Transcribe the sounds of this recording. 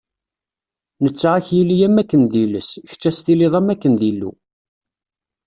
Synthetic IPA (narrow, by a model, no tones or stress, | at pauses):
nət͡sːʕaçjilijæmækːənðiləsç̥t͡ʃːæst̪iliðˤæmækːənðilːṵ